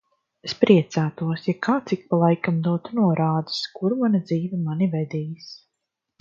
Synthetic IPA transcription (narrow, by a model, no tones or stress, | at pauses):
spɾiɛt̪saːt̪uɔsjakaːt̪sik̚palˠajkamd̪uɔt̪unuɔɾaːd̪ɨ̥skuɾmanad̪ziːvɛmanivɛd̪iːjis